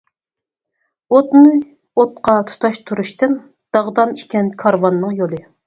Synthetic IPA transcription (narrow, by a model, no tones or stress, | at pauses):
ot̪nɨ | ot̪̚qʰɑt̪ʰu̥t̪ʰɑʃt̪ʰuɾuʃt̪ɨn | d̪̥ɑʁd̪ɑmiʃkʲɛnkʰɑɾwɑnːɨŋjolˠɨ